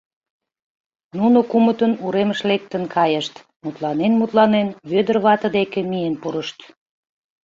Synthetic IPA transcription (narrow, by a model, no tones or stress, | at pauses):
nunokumət̪ənuɾeməʃlek̚t̪ənkʰɑjəʃt̪ | mut̪lɑnenmut̪lɑnenβød̪ərβɑt̪əd̪ekĕmijenpuɾəʃt̪